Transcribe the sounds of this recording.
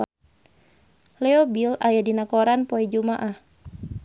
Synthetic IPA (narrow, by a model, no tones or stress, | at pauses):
lɛɔbilajadinakoɾanpɔɛd͡ʒumaʔah